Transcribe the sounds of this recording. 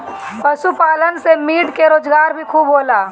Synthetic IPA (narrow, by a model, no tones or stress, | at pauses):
pɐsupaːlənsemiːɽkeɾoːd͡ʒɡaːɾbʱikʰuːbɦoːlaː